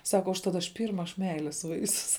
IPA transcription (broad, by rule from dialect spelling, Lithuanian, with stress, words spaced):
ˈsɑːkɐ ʊʃˈtɐt ɐʃ ˈpʲiːrmɐ ɐʃ ˈmʲɛɪlʲeːs ˈʋɐɪsʲʊs